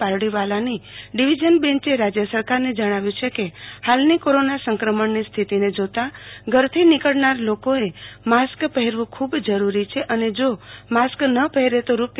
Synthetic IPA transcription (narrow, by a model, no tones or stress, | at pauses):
paɾɽiʋalaniɖiʋid͡ʒənbɛ̃nt͡ʃeɾad͡ʒjəsəɾkaɾned͡ʒəɽ̃aʋjũt͡ʃʰekehalnikoɾonasəŋkɾəməɳnist̪ʰit̪ined͡ʒot̪aɡʱəɾt̪ʰinikəɭnaɾlokoemaskpəɦeɾʋũkʰubd͡ʒəɾuɾit͡ʃʰeʔəned͡ʒomasknəpəɦɛɾet̪oɾup